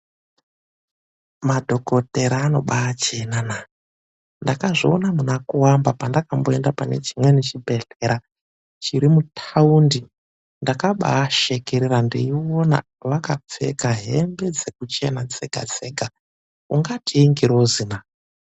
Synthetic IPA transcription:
madʱo̞ko̞te̞ɾaːno̞ɓaːt͡ʃenana | ndakaʐionamunakuwambapandakambo̞endapane̞̰t͡ʃimwe̞net͡ʃibʱe̞ɬeɾa | t͡ʃiɾimutʰaundi | ndakaɓa̰ːʃe̞keɾirandiiwona̰ | ʋakap͡fe̞̰kaɦe̞mbe̞d͡ze̞kut͡ʃenad͡ze̞ɡ̥ʱa̰d͡zeːɡʱa | uŋɡatʰiːŋɡiɾozina

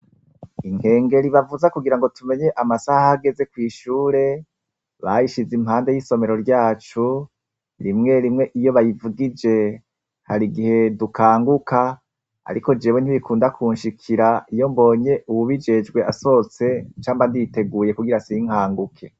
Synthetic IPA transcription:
iŋhe̞ːŋɡe̞ɾiβavuzakuɡiɾaŋɡo̞tume̞ɲe̞ʔamasahaːɡe̞ze̞kwiːʃuːɾe̞ | βajiʃizimhaːnde̞jiso̞me̞ɾo̞ɾɟaːt͡ʃu | ɾimŋe̞ɾimŋe̞ʔijo̞βajivuɡid͡ʒe̞ | haɾiɡihe̞dukʰaːŋɡuka | a̰ɾiko̞d͡ʒe̞ːβwen̥iβikuːndakʰuːnʃikʰiɾaijo̞mbo̞ːɲe̞uβuβid͡ʒe̞d͡ʒɡwe̞aso̞t͡se̞t͡ʃaːmbandite̞ɡuːje̞kuɡiɾasiŋ̥haːŋɡukʰe̞

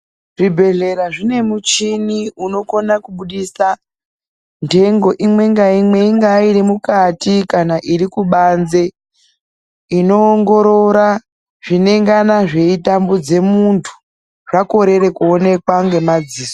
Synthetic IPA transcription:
ʐibʱe̞ɮe̞ɾaʐine̞mut͡ʃiniuno̞konakuɓuɗisa | ntʰe̞ŋɡo̞ʔimwe̞ŋɡaimwe̞iŋɡaiɾimukatikanaʔiɾikuɓanze̞ | ino̞ːŋɡo̞ɾo̞ɾa | ʐ̥ine̞ŋɡanaʐe̞itambud͡ze̞muntʰu̥ | ʐako̞ɾe̞ɾe̞kuone̞kwaŋɡe̞mad͡ziːso

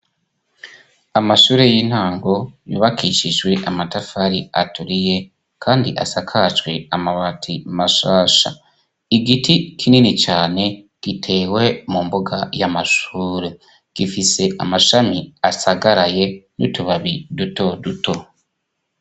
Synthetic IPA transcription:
amaʃuːɾejin̥haːŋɡo̞jṵːβakʰiʃiʒɡwe̞ʔamatafaɾiatuɾije̞ | kʰaːndiʔasakʰat͡ʃwe̞amaβatʰimaʃaːʃa̰ | iɡitikʰininit͡ʃaːne̞ | ɡ̥itʰe̞ːwe̞mumbuɡajamaʃuɾe | ɡ̥ifise̞ʔamaʃamiasaɡaɾaje̞nṵtuβaβiduto̞duto̞

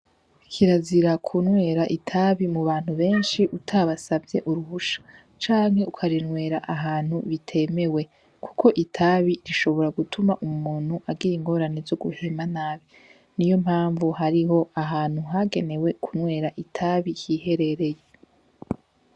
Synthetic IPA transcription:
kʰiɾaziɾakʰunŋwe̞ːɾaʔitʰaβimuβaːn̥huβe̞ːnʃiʔutʰaβasabje̞ʔuɾuhuʃḁ | t͡ʃaːŋhe̞ukʰaɾinŋwe̞ːɾaʔaɦaːnhuβitʰe̞me̞we̞ | kʰu̥kʰo̞ʔitʰaβiɾiʃo̞βo̞ɾaɡutʰumaʔumuːn̥huʔaɡijiŋɡo̞ːɾanezo̞ɡuhemanaːβi | nijo̞mhaːɱvuhaɾiɦo̞aɦaːnhuɦaɡe̞ne̞we̞kʰunwe̞ːɾaʔitʰaβijihe̞ɾe̞ɾe̞je

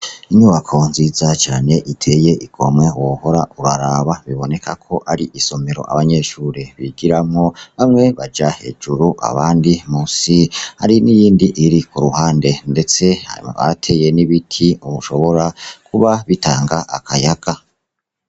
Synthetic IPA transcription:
iɲuβakʰo̞nziːzat͡ʃaːne̞ʔitʰe̞je̞ʔiɡ̥o̞mŋewoho̞ɾauɾaɾaβaβiβo̞ne̞kʰakʰo̞ʔaɾiʔiso̞me̞ɾo̞̰ʔa̰βaɲe̞ːʃuːɾeβiɡiɾamŋo̞βamŋe̞βad͡ʒahe̞̰ːd͡ʒuɾuʔa̰βaːndimuːsiha̰ɾinijiːndiʔiɾikuɾuhaːnde̞nde̞t͡se̞ha̰ḭma̰βa̰tʰe̞je̞niβitʰiuβuʃo̞βo̞ɾakʰuβaβitaːŋɡaʔa̰kʰajaɡ̥a

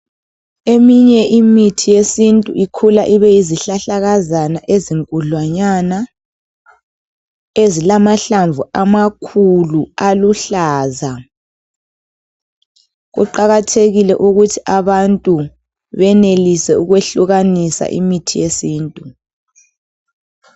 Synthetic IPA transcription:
emiɲɛʔimitʰijesintʼṵʔikʰulaʔiβɛjiziɬaɬaɣazanaʔeziŋkʼuɮwaɲana | ezilamaɬaɱvuamakʰulualuɬaːza | ɣṵǃaɣatʰeɣilɛʔuɣutʰiʔaβantʼu | βɛnelisɛuɣweɬuɣanisa̰ʔḭmitʰijesiːntʼu

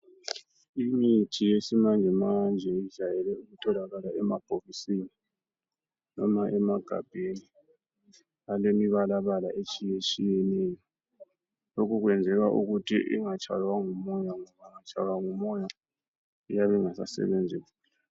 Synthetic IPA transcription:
imitʰijesimand͡ʒʱɛmand͡ʒʱɛi̥ʒ̥ʱajɛlɛuutʼɔlaɣalaɛmab̥ʱoɣisini | nɔmaʔɛmaɡ̥ʱa̰b̥ʱeni | alemiβalaβalaʔet͡ʃʼijet͡ʃʼijɛnɛːjɔ | lokʰuɣwɛnd͡zʱɛɣaʔṵɣutʰḭʔḭŋat͡ʃʰʼa̰lwaŋumɔjaŋɔβaŋat͡ʃʼa̰lwaŋumɔja | ijaβɛŋasa̰sɛ̰βɛnd͡zʱɛ | l

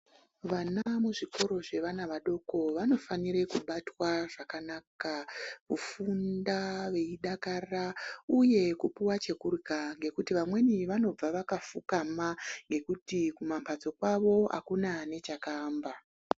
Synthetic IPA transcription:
ʋanamuʐiko̞ɾo̞ʐe̞ʋanaʋaɗo̞ko̞ʋano̞fanirekuɓatwaʐakanakaʋufundaʋe̞iɗakarauje̞kupuwat͡ʃe̞kurkaŋɡe̞kutiʋamwe̞niʋano̞b͡vaʋakafukamaŋɡe̞kutikumampad͡zo̞kwaʋo̞a̰kunane̞t͡ʃakaːmba

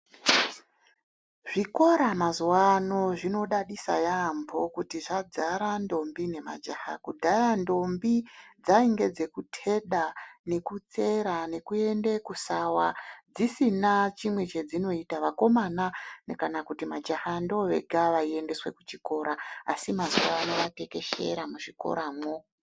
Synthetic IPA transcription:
ʐ̥iko̞ɾamazuwano̞ʐino̞ɗaɗisa̰jaːmbʰʱo̞kutiʐad͡zaɾando̞mbine̞ma̰d͡ʒaha̰kudʱajando̞mbid͡zaiŋɡe̞d͡ze̞kutʰe̞ɗane̞kut͡se̞ɾane̞kue̞nde̞kusawad͡zisinat͡ʃimwe̞t͡ʃe̞d͡zino̞itaʋako̞mananekanakutimad͡ʒahandoʋe̞̰ɡʱaʋaie̞nde̞swe̞kut͡ʃiko̞ɾaa̰simazuwaːno̞ʋate̞ke̞ʃe̞̰ɾamuʐiko̞̰ɾaːmo

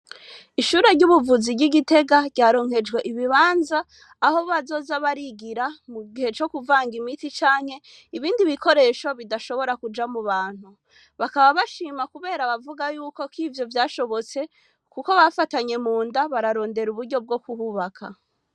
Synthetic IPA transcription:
iʃuːɾeɾɟuβuvuziɟiɡite̞ɡaɟɟaːɾo̞ŋ̥e̞d͡ʒɡwe̞ʔiβiβaːnzaː | ho̞βazo̞ːzaβaɾiɡiɾamuɡihe̞t͡ʃo̞kuvaːŋɡimitit͡ʃaːŋ̥he̞ | iβiːndiβikʰo̞ɾe̞ːʃo̞βidaʃo̞βo̞ɾakud͡ʒamuβaːn̥hu | βakaβaβaʃiːmakuβe̞ːɾaβavuɡajuːko̞kivjo̞vjaːʃo̞βo̞t͡se̞ | kuko̞βafataɲe̞muːndaβaɾaɾo̞ːnde̞ɾuβuɾɟo̞b̚ɡo̞kuhuβakʰa̰

